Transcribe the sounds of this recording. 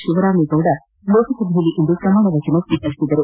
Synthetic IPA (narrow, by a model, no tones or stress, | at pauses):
ʃuʋɐɾaːmiɡ̪oːɽɐ | loːsisɐb̪ʱijɐlːiʔind̪upɾɐmaːɳɐʋɐːd͡ʒɐnusiːkɐɾisid̪ːɐɾu